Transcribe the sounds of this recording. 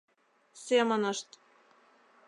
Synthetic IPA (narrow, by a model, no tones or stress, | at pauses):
semə̆nɤ̆ʃt̪